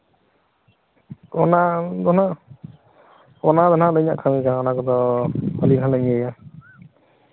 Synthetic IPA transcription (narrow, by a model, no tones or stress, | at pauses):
ɔnad̪ɔna | ɔnad̪ɔnalɔjna̰ʔkʰaŋikaŋɔnakɔd̪ɔɔliŋɦalaŋiəja